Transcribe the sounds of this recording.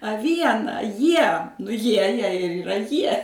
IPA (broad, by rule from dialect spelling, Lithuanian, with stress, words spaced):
ɐ ˈʋʲiɛnɐ ˈjiɛ nʊ ˈjiɛ jɛɪ ɪr iːˈrɐ ˈjiɛ